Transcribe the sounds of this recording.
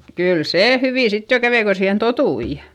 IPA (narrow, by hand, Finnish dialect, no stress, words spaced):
kyl seː hyʋiˑ sit jo kæʋei ko siːhen totui